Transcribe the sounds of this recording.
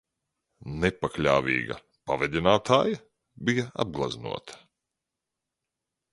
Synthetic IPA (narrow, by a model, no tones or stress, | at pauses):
nepaklʲa̰ːvḭːɡɐ̰ | pavɛd̪ʲinaːt̪ʰaːjɐ | bijaa̰b̚ɡlˠa̰znṵɔt̪ʰɐ̥